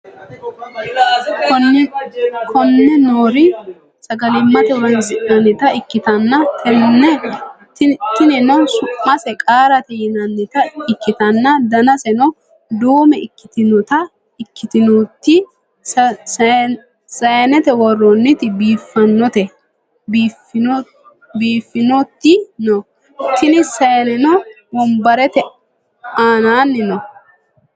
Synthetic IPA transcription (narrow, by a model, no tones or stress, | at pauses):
kʰɔnːɛnoːɾɪ | sɐɡɐlɪmːɐt̪ɛɾɐnzɪʔnɐnːɪt̪ɐɪkːɪt̪ɐnːɐ | t̪ɪnɪnɔwsʊmːɐsɛkʼaːɾɐt̪ɛjɪnɐnːɪt̪ɐɪkːɪt̪ɐnːɐd̪ɐnɐsɛnɔ | d̪uːmɛɪkːɪ̥t̪ɪnʊt̪ɐ | ɪkːɪt̪ɪnut̪ːɪ | sɐjɐnɛt̪ɛwɔrːɔnːɪt̪ɪbiːfːɐnːɔt̪ɛ | biːf | biːfːɪnɔt̪ːɪnɔ | t̪ɪnɪsɐjɐnɛnɔ | wɔmbɐɾɛt̪ɛ | aːnaːnːɪnɔ